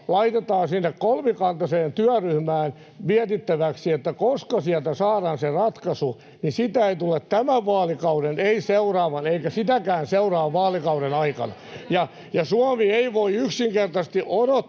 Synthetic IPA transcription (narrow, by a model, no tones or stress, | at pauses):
lɑit̪et̪ɑːnsinːekkolmikɑnt̪ɑseːnt̪yæryhmæːn | miæt̪it̪ːæʋæksiet̪ːækoskɑsiɛlt̪æsɑːɾɑːnserɑt̪kɑsu | nisit̪æeit̪ulːˑett̪æmæʋʋɑːlikɑudeneiseurɑːʋɑneikæsit̪ækæːnseurɑːʋʋɑːlikɑuɾenɑikɑ̰nɑ̰jɑ | jɑsuɑmieiʋoiyksiŋkert̪ɑst̪iʔoɾo